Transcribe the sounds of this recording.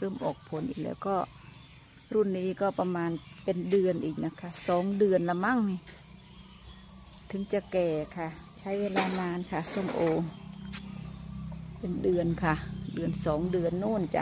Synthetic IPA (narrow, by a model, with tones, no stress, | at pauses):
ɾɯː˧˩˨mʔɔː˨˩k̚pʰo˨˦nʔḭː˨˩lɛ̰ː˧wkɔː˧˩ | ɾu˧˥˩nːiː˧˥˩kɔː˧˩pa˧maː˧npe˧ndɯ˨˧ənʔiː˨˩k̚na˧˩kʰa˧˩sɔː˨˦ŋdɯ˨˩ənla˧ma˧˥˨ŋni˧ | t̪ʰɯ˨˦ŋt͡ɕa˧kɛː˨˩kʰa˧˩t͡ɕʰa˦˥jweː˧˥laː˧˩naː˧˥nkʰa˧˩so˧˩˨mʔoː˧ŋ | pe˧˨ndɯ˨˧˩ənkʰa˧˩dɯ˨˩ənsɔː˨˦ŋdɯ˨˩ənːoː˧˥˩nt͡ɕa̰˧ʔ